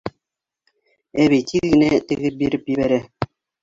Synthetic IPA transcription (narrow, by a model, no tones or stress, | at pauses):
æβit̪ʲʰiɡɘ̆næt̪ɘ̆ɡɘp̚biɾɘpjɘ̆βæɾæ